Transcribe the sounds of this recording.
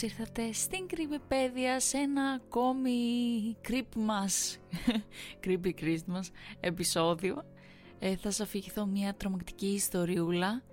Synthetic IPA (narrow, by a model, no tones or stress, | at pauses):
iɾθɐt̪e̞st̪iŋkɾipepe̞ðiɐse̞nɐko̞mikɾipmɐs | kɾip̬ikɾist̪mɐse̞piso̞ðio̞ | eθɐsɐfiʝiθo̞mɲɐt̪ɾomɐkt̪i̥ciːst̪o̞ɾiulɐ